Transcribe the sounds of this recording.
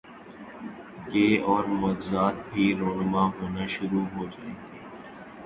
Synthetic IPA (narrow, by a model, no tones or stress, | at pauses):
ɡeːɔːɾmɔːt̪zaːt̪̚bʱiːɾoːnmaːɦoːnaːʃʊɾuːɦoːd͡ʒaːeːɡeː